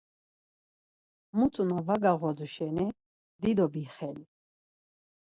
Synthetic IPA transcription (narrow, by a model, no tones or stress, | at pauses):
mut͡sʼunɔvaɡaʁɔd͡zuʃɛnɛ | d̪id̪ɔbiχɛli